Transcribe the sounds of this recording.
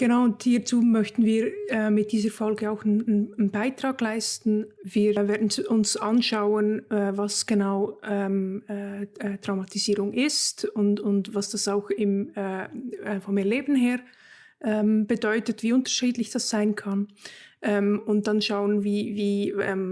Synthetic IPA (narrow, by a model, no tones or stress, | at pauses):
ɡ̥ənaʊʊnthiːɐt͡suːmœçtn̩viːɾɛːɪt̚d̥iːzəfɔlɡəaʊxnnnbaɪtʁ̥aːɡlaɪstn̩viːveːɐdn̩sʊnsʔanʃaʊənɛːvasɡ̥ənaʊʔɛːmɛːɛtʁ̥aʊmatiziːʁʊŋʔɪstʊntʊntvasd̥asaʊxɪmɛːfɔmɛɐleːbn̩ɦeːʁ | ʔɛːmb̥ədɔʏtətviːʊntə̥ʃiːdlɪçd̥asz̥aɪnkʰanʔɛːmʊnt̚d̥anʃaʊənviːviːɛ̰m